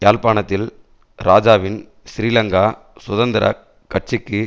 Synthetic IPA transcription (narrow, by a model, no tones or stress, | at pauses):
jaːlpaːɳɐt̪ːɪl | ɾaːd͡ʒaːʋɪn | ʃɾiːlɐŋɡaː | sʊðɐnd̪ɪɾʔɐ̰ | kːɐʈ̚t͡ʃɪkːɯ